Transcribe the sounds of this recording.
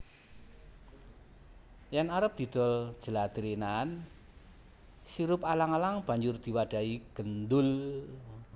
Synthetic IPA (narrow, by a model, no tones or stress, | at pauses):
janaɾəp̚d̪̥i̤d̪̥ɔ̤l̥ʒ̥əlad̪ɾinan | siɾʊp̚alaŋalaŋb̥a̤ɲd͡ʒʊrd̪̥i̤waɖ̥a̤iɡ̥ənd̪ʊl